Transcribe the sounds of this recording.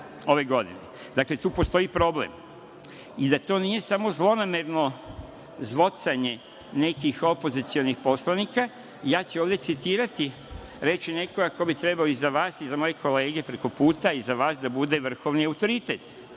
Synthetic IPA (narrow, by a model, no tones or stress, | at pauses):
o̞ʋe̞ɡo̞d̪ḭnḛ | d̪akle̞t̪uːpo̞st̪o̞ipɾo̞blḛm | id̪at̪o̞ːnije̞samo̞zlˠo̞name̞ɾno̞ | zʋo̞t̪saɲe̞ | ne̞kixo̞po̞zit̪sionixpo̞slanika | jaːt͡ɕeoːʋd̪je̞t̪sit̪iːɾat̪i | ɾe̞t͡ɕine̞ko̞ɡakobit̪ɾe̞baoizaʋaːsizamo̞je̞kʰo̞le̞ːɡe̞pɾe̞ko̞puːt̪aizaʋaːsd̪abud̪e̞ʋr̩xo̞ʋniaut̪o̞ɾit̪et̪